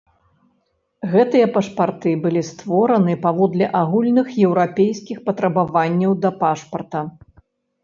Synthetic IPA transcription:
ɣɛt̪ɨjɐpɐʂpart̪ɨbɨlʲist̪vɔɾɐnɨpavɔd̪lʲɛʔaɣulʲnɨxjɛwɾapʲejskʲixpɐt̪ɾɐbavanʲːɐwd̪ɐpaʂpɐrt̪ɐ

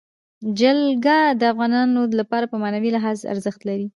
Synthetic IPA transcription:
d͡ʒalɡad̪əafɣɑnɑnolapɑɾapəmanawilɪɦɑza̰ɾzəxt̪laɾi

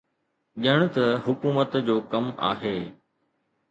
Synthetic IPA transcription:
ʄəɽ̃t̪ɐɦʊkuːmət̪d͡ʑoːkɐma̰ːɦeː

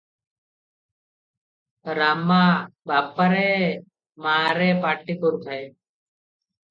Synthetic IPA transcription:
ɾaːmːaːbaːpːəɾeː | maːɾeːpaːʈːikʊɾpʰɐj

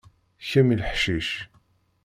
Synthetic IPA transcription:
çæmilħʃiʃ

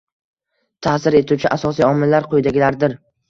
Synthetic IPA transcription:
t̪ʰasɪɾe̞t̪ʰuwt͡ʃʰɪʔasɒsijɒmɪlːaɾqʰojd̪aɡʲɪlaɾd̪ɪɾ

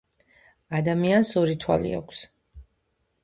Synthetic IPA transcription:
ad̪amiansɔɾit̪ʰwa̰lḭa̰kʷʰs

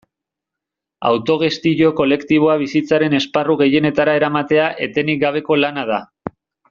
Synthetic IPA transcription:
a̰wt̪o̞ɣ̞e̞st̪iʎo̞ko̞le̞kt̪iβ̞o̞aβ̞isit͡saɾe̞ne̞sparuɣe̞je̞ne̞t̪aɾae̞ɾamat̪e̞aʔe̞t̪e̞nik̚ɡaβ̞e̞ko̞lanað̞a

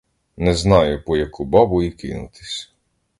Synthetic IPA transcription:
nɛznɑjʊpɔjɐkubɔbʊikɪnʊ̰t̪ɪ̥sʲ

